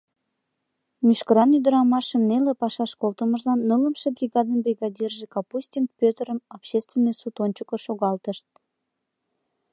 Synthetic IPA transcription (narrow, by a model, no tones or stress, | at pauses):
myʃkəɾɑnyd̪əɾɑmɑʃəmnelepɑʃɑʃkolt̪əməʒlɑnːələmʃebrʲiɣɑd̪ənbrʲiɣɑd̪ʲirʒekɑpusʲtʲint̪̚pʲøt̪əɾəmɑpɕest̪vʲenːəjsut̪onʲt͡ɕəkəʃoɣɑlt̪əʃt̪̚